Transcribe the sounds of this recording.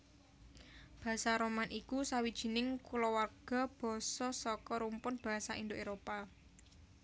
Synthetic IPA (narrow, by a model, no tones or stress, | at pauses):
b̥a̤saɾomanʔikusawid̥ʒ̥i̤nɪŋkulɔwarɡ̥a̤b̥ɔ̤sɔsɔkɔɾumpʊnb̥a̤ɦasaʔind̪oʔeɾopa